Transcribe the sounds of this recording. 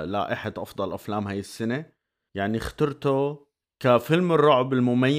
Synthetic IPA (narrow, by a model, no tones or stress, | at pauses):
la̰ːʔɪħad̪ʔɑfd̪ˤɑlʔaflaːmhaːjɪsːane | jaʕnixḁt̪ɑɾˤt̪o | kafɪlmɪrˤːʊʕbɪlmʊmajː